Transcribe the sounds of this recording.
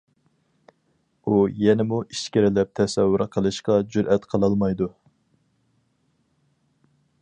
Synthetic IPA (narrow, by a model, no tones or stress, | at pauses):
ujɛnɪmuʔiʃkʲɪɾɪlɛp̚t̪ʰɛsɛwːyɾqʰəlˠɨʃqɑd͡ʒyɾʔɛt̪qʰəlˠɑlˠmɑjd̪u